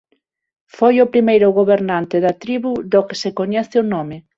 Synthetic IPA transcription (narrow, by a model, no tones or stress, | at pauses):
fojʊpɾimejɾʊɣoβeɾnant̪ɪðɐt̪ɾiβuðokɪsekoɲɛθɪonɔmɪ